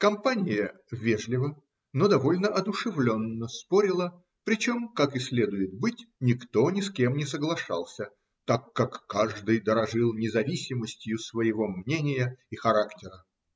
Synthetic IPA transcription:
kɐmpanʲɪjə | vʲeʐlʲɪvə | nod̪ɐvo̞lʲnəʔɐd̪ʊʂɨvlʲo̞nːəspoɾʲɪlˠə | pɾʲɪt͡ɕo̞mkakɪsʲlʲe̞d̪ʊjɪt̪̚bɨtʲnʲɪkt̪o̞nʲɪskʲe̞mnʲɪsəɡlˠɐʂɑ̰lˠsʲə | t̪akːakːaʐd̪ɨjd̪əɾɐʐɨlˠnʲɪzɐvʲisʲɪməsʲtʲjʊsvəjɪvo̞mnʲenʲɪjəɪxɐɾaktʲɪɾə

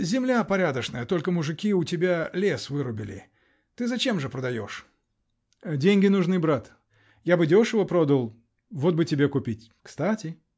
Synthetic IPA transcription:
zʲɪmlʲapɐɾʲad̪əʂnəjət̪o̞lʲkəmʊʐɨkʲiʊtʲɪbʲalʲe̞svɨɾʊbʲɪlʲɪ̰ | t̪ɨzɐt͡ɕe̞mʐɨpɾəd̪ɐjo̞̰ʂ | dʲenʲɡʲɪnʊʐnɨbɾat̪ | jabɨdʲo̞ʂɨvəpɾo̞d̪əlˠ | vo̞t̪̚bɨtʲɪbʲe̞kʊpʲitʲ | kst̪atʲɪ

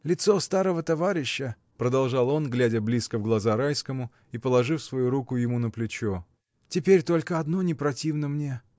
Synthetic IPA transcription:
lʲɪt̪so̞st̪aɾəvət̪ɐvaɾʲɪɕːə | pɾəd̪ɐlˠʐɑlˠo̞nɡlʲædʲəblʲiskəvɡlˠɐzaɾajskəmʊ | ipəlˠɐʐɨfsvɐjuɾukʊjɪmunəplʲɪt͡ɕo | tʲɪpʲeɾʲt̪o̞lʲkəɐd̪nonʲɪpɾɐtʲivnəmnʲe̞

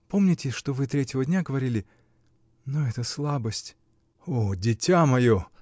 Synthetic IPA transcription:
po̞mnʲɪtʲɪʂt̪ovɨt̪ɾʲetʲɪvədʲnʲaɡəvɐɾʲilʲɪ | nuɛt̪əslˠabəsʲtʲ | odʲɪtʲamɐjo

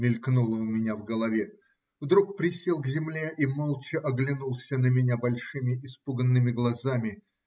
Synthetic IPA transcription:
mʲɪlʲknulˠəʊmʲɪnʲavɡəlˠɐvʲe | vd̪ɾuk̚pɾʲɪsʲelˠɡzʲɪmlʲeʔimolˠt͡ɕɪʔɐɡlʲɪnulˠsʲənəmʲɪnʲabɐlʲʂɨmʲɪɪspuɡənːɨmʲɪɡlˠɐzamʲɪ

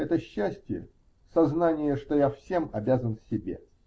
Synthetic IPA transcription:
ɛt̪əɕːæsʲtʲɪjə̰ | sɐznanʲɪjəʂt̪o̞jafsʲe̞mɐbʲazənfsʲɪbʲe̞̰

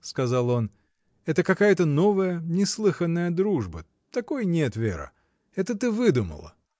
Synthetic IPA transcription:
skɐzalˠo̞n | ɛt̪əkɐkajət̪əno̞vəjənʲɪslˠɨxənːəjəd̪ɾuʐbə | t̪ɐko̞jnʲet̪vʲḛɾɨ̰ | ɛt̪ət̪ɨvɨd̪umə̰lˠə̰

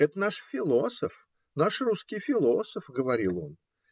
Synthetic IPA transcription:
ɛt̪ənaʂfʲɪlˠo̞səf | naʂruskʲɪjfʲɪlˠo̞səfɡəvɐɾʲilˠo̞n

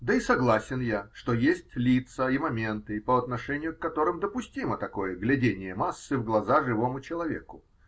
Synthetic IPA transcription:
d̪əisɐɡlˠasʲɪnjaʂt̪o̞jesʲtʲlʲit̪səimɐmʲe̞nt̪ɨpəɐt̪nɐʂɛnʲɪjʊkːɐt̪o̞ɾɨmd̪əpʊsʲtʲimət̪ɐko̞jəɡlʲɪdʲenʲɪjəmasːɨvɡlˠɐzaʐɨvo̞mʊt͡ɕɪlˠɐvʲḛkʊ

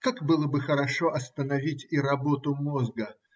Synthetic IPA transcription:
kakbɨlˠəbɨxəɾɐʂoʔɐst̪ənɐvʲitʲiɾɐbot̪ʊmozɡə

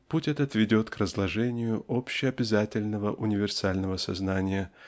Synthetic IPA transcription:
putʲɛt̪ət̪vʲɪdʲo̞t̪krəzlˠɐʐɛnʲɪjʊʔopɕːɪɐbʲɪzatʲɪlʲnəvəʔʊnʲɪvʲɪrsalʲnəvəsɐ̰znanʲɪjə

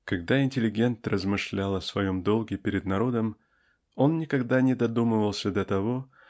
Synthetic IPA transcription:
kɐɡd̪aɪnʲtʲɪlʲɪɡʲe̞nt̪rəzmɨʂlʲalˠɐsvɐjo̞md̪o̞lˠɡʲɪpʲɪɾʲɪd̪nɐɾo̞d̪əm | o̞nːʲɪkɐɡd̪anʲɪd̪ɐd̪umɨvəlˠsʲəd̪ət̪ɐvo̞

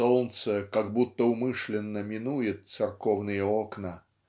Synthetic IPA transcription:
olˠnt̪səkaɡbut̪ːəʊmɨʂlʲɪnːəmʲɪnujɪt̪̚t̪sɨrkovnɨjəoknə

